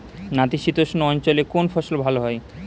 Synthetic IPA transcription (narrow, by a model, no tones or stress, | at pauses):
nat̪iʃit̪oʃnoɔnt͡ɕolekonfʰɔʃolbʱaloɦɔe